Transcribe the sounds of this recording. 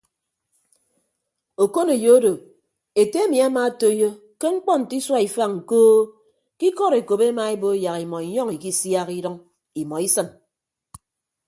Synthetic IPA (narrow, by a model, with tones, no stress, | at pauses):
o˨ko˦ne˨jo˨o˦do˨ | e˨te˦e˦mi˨a˦ma˨a˦to˦jo˦ | ke˦ŋ͡m̩˦k͡pɔ˦n̩˨ti˦swa˦i˨fa˦˨ŋ̩˨koː˦ | ki˦kɔ˦˨ɾe˨ko˨be˦ma˨e˦bo˦ja˨ɣi˨mɔ˨i˨ɲɔ˦ŋi˨ki˦sja˦ɣi˦ɾɔ˦ŋ | i˨mɔ˨i˦sɨ˦n